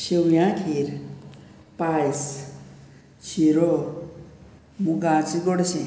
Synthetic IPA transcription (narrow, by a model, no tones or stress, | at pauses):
sewjãkʰiɾ | pajs | t͡sʰiɾo | muɡat͡siɡɔɽsʰẽ